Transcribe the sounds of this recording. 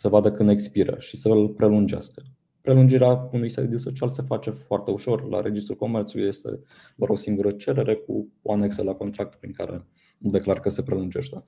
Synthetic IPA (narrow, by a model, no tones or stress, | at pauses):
sevad̪əkɨnd̪ekspiɾə̰ʃisəlpɾʔe̞lund͡ʒea̰skə̥ | pɾe̞lund͡ʒiɾeaunujsa̰d̪iuso̞t͡ʃialse̞fat͡ʃe̞foart̪e̞uʃo̞rla̰ɾe̞d͡ʒist̪ɾulko̞mert̪suluije̞st̪e̞̰ | d̪a̰ɾo̞siŋɡuɾət͡ʃe̞ɾe̞ɾe̞k̚ṵoane̞ksəlako̞nt̪ɾak̚t̪pɾiŋkaɾe̞̰ | d̪e̞klarkəse̞pɾe̞lund͡ʒe̞ʃt̪e